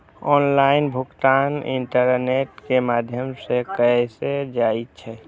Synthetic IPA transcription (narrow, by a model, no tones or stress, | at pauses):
ɔnlaɪnbʱukt̪anḭɳʈəɾneʈkemad̪ʱjəmsekəsed͡ʒaitt͡ʃʰɛ